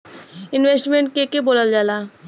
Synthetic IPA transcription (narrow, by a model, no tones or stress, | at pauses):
inwesʈmeɳʈ̚kekebolald͡ʒala